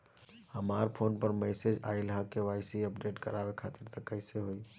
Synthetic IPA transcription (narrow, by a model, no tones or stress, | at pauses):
həmaɾpʰonpəɾmɛsed͡ʒa̰ilɦakewajsiəpɖeʈkəɾabekʰat̪iɾt̪əkːəɪseɦoj